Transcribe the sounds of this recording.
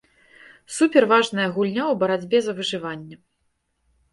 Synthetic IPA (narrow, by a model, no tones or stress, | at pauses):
supʲɛrvaʐnɐjɐɣulʲnʲawbɐɾad͡zʲbʲɛzɐvɨʐɨvanʲːɐ